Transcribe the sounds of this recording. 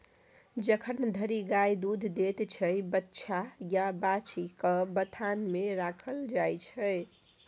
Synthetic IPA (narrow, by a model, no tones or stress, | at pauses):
d͡ʒəkʰənd̪ʱəɾiɡajd̪ud̪ʱd̪et̪t͡ʃʰəbətːʃʰajabat͡ʃikəbət̪ʰanmeɾakʰəld͡ʒajt͡ʃʰəj